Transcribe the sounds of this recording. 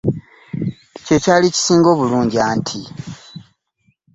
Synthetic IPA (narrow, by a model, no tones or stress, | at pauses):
ce̞calici̥siːŋɡo̞ːβuluːɲɟiaːntʰi